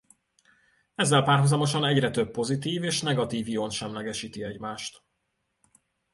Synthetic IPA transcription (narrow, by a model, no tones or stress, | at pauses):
ɛzːɛlpaːrɦozɒmo̞ʃɒnɛɟrɛt̪øpːo̞zit̪iːveːʃn̪ɛɡɒt̪iːvjionʃɛmlɛɡɛʃiːt̪iɛɟmaːʃt̪